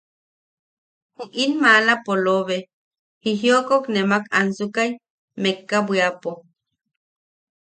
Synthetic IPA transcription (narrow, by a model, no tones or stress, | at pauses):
huʔinmalapoloβe | hiɦiokoknemaka̰nsukaj | mekːabwiapo